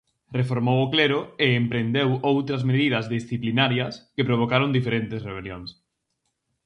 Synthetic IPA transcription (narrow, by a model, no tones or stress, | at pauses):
refoɾmowokleɾʊeːmpɾend̪ewowt̪ɾɐzmeð̞ið̞ɐzðisθiplinaɾjɐskepɾoβ̞okaɾond̪ifeɾent̪esreβeljoŋs